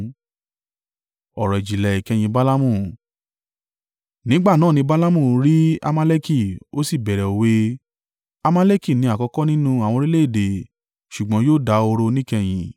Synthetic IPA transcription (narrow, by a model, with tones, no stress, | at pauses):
ɔ˨ɾɔ˨i˨d͡ʒi˨lɛ˨i˨kɛ˧j̃ĩ˧ba˦la˦mũ˦˨ | nĩ˨˦ɡ͡ba˦˨nãː˦˨nĩ˧ba˦la˦mũ˦˨ɾi˦a̰˧ma˧˦le˦ki˦˨o˦si˦˨bɛ˨ɾɛ˨o˨we˧˦ | a˧ma˦le˦ki˦˨nĩ˧˦a˨kɔ˧kɔ˦nĩ˦nũ˦a˨w̃ɔ̃˧ɾi˦le˦˨de˨ | ʃu˨ɡ͡bɔ̃˨˦joː˦˨da˧˦o˧ɾo˧nĩ˦kɛ˧j̃ĩ˧